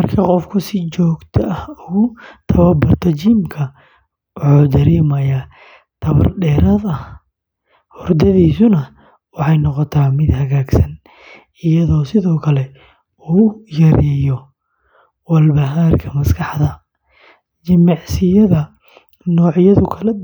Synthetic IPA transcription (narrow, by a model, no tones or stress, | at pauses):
mɐrkʰɐqɔfkʰʊsɪt͡ʃɔːɡt̪ʰɐʔɐhʊɣʊt̪ʰɐβɐbɐrt̪ʰɐt͡ʃiːmkʰɐ | wɑħuːd̪ɐɾɛːmɐjaː | t̪ʰɐβɐ̰rɖɛːɾɐðɐ | hʊrd̪ɐðiːsʊnɐ | wɑħɑjnɔqɔt̪ʰaːmɪd̪hɐɣaːɡsɐn | ɪjɐðɔːsɪðɔːkʰɐlɛ | uːjɐɾɪjɔ | wɐlbɐɦaːrkʰɐmɐskʰɑħðɐ | t͡ʃɪmɑʕsɪjɐðɐ | nɔːʕjɐðʊkʰɐlɛ